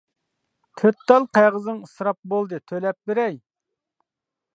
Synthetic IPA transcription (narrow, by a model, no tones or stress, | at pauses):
t̪ʰøt̪ːɑlˠqʰæjʁəzɨŋɨsɾɑp̚bolˠd̪ɨt̪ʰølɛp̚beɾɛj